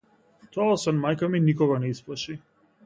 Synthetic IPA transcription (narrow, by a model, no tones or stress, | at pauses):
t̪ɔasanmajkaminikɔɡanɛisplˠaʃi